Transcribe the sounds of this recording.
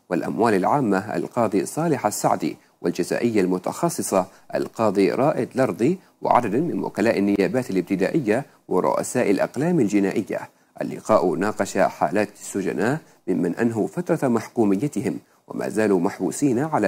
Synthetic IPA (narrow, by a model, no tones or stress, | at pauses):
walʔamwaːlalʕaːmːaʔa̰lqɑːd̪ˤisˤɑːlɪħasːa̰ʕd̪ḭ | wʔɪld͡ʒaza̰ːʔɪjːalmʊt̪ɑ̰xɑsˤːɨsˤɑ | ʔa̰lqɑːd̪ˤiɾˤʔɑːʔɪd̪lɑɾˤd̪ˤi | wɪ̰ʕa̰d̪ad̪amɪnwʊ̰kalaːʔanːɪjaːbaːt̪alɪb̚t̪ɪd̪a̰ːʔɪjːa | wɪɾˤʊ̰ʔa̰saːʔalʔɑ̰qlaːmald͡ʒɪnaːʔɪjːa̰ | ʔa̰lːɪ̰qɑːʔnɑːqɑʃaħa̰ːlaːt̪sːʊd͡ʒa̰naːʔ | mɪmːanʔanɦʊfat̪ɾˤɑmaħkuːmɪjːat̪ɪhɪm | wa̰ma̰ːzaːluːmaħbṵːsiːnaʕala